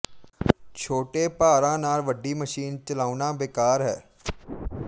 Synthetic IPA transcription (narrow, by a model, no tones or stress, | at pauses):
t͡ʃʰoːʈeːpaːɾãːnaːlʋəɖiːməʃiːnt͡ʃəlaːunãːbeːkaːɾɦɛː